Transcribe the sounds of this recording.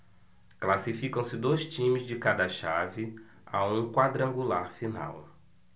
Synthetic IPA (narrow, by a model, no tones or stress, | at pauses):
klasifikɐ̃w̃sɪd̪ojst͡ʃĩmɪzd͡ʒɪkad̪ɐʃavɪ | a̰ũkwad̪ɾɐ̃ŋɡulaɾfina̰w